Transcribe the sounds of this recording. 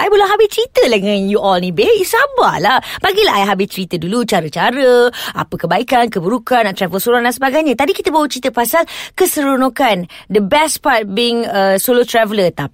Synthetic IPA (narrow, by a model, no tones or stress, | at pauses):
ʔajbolaɦabɪst͡ʃɾit̪ədəŋãnjuʔɔlnibesaba̰lahb̥aɡilaɦajɦabɪst͡ʃəɾit̪ədulut͡ʃaɾət͡ʃaɾəa̰pəkəbaikankəbəɾukanaʔt̪ɾɛvəlsoɾuandansəbaɡajɲãt̪adikit̪əbawət͡ʃɾit̪əpasalkəsəɾonõkandəbɛspart̪̚biŋəsolot̪ɾɛvələt̪ap̚